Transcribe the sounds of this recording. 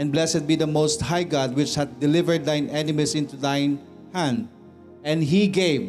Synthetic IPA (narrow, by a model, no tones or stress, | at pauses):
ɛ̃nblɛsɛt̪̚bid̪ɐmoʊst̪̚hajɡɑd̪̚wɪt͡ʃhæt̪̚d̪ɪlɪvəɹd̪ːãɪ̃nɛnɪmisɪ̃nt̪ud̪ãjn | hæ̃nd̪̚ | ɛ̃nd̪ɦiɡev